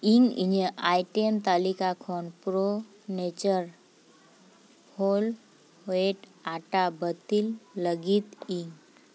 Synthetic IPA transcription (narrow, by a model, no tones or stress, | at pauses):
iŋɡḭɲəʔajʈemt̪aːlikakʰoːnpɾo | net͡ʃəɾ | hol | hoeʈ | aʈabət̪ilːəɡit̪iŋ